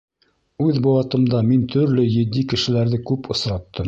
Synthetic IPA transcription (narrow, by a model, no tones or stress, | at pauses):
ʉðbowɑt̪ɤ̆md̪ɑmint̪ʰɵ̆ɾlɵjɘ̆d̪ːikɘ̆ʃɘ̆læɾðɘkʉpʰŏsɾɑt̪ːɤm